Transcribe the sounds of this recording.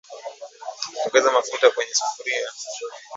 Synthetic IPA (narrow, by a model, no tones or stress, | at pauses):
ɔŋɡɛzamafutakwɛɲɛsu̥fuɾija